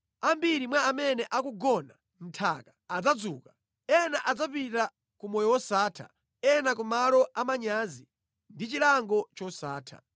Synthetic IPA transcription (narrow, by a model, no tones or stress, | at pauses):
ambiɾimwaːmɛnɛʔakuɡɔna | m̩tʰaːkḁad͡zad͡zuːkḁ | ɛnaʔad͡zap̬ita | kumɔjɔwɔsaːtʰa̰ | ɛnakumalɔamaɲaːzi | ndit͡ʃilaŋɡɔt͡ʃɔsaːtʰa̰